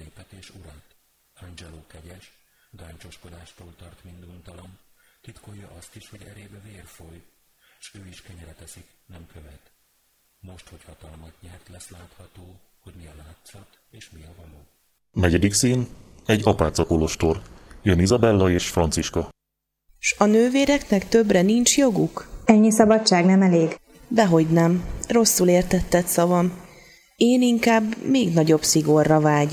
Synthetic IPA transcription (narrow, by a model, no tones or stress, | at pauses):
neːpɛt̪eːʃuɾaːt̪ | ɒnd͡ʒɛloːkɛɟɛʃ | ɡ̪aːnt͡ʃo̞ʃko̞d̪aːʃt̪oːlt̪ɒrt̪mind̪unt̪ɒlont̪it̪ko̞jːɒʔɒst̪iʃho̞ɟɛɾeːbɛveːrfoj | ʃøːiʃkɛɲɛɾɛt̪ɛsiknɛmkʰøvɛt̪ | mo̞ʃt̪ho̞chɒt̪ɒlmɒt̪ɲɛrt̪lɛslaːt̪hɒt̪oː | ho̞ɟmiɛlaːt̪sɒt̪ | eːʃmiɒvɒloː | nɛɟɛd̪iksiːnɛɟːɒpaːt̪sɒkoloʃt̪orjønizɒbɛlːɒeːʃfrɒnt̪siʃkɒ | ʃɒnøːveːɾɛknɛkt̪ø̞brɛnint͡ʃjo̞ɡukɛɲːisɒbɒt͡ʃt͡ʃːaːɡnɛmɛleːɡ | bɛɦo̞ɟnɛmro̞sːuleːrt̪ɛt̪ːɛt̪sɒvɒm | eːniŋkaːbmeːɡnɒɟo̞bsiɡo̞rːɒvaːɟ